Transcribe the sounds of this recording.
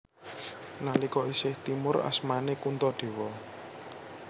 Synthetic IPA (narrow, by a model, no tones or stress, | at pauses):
nalikɔisɪht̪imʊra̰smanekunt̪ɔɖ̪̥e̤wɔ